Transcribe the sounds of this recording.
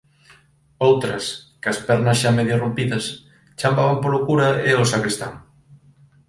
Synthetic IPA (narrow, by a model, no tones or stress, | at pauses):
owt̪ɾɐskɐspɛɾnɐsʃameðjʊrompiðɐs | t͡ʃambaβɐmpolokuɾɐeosakɾest̪a̰ŋ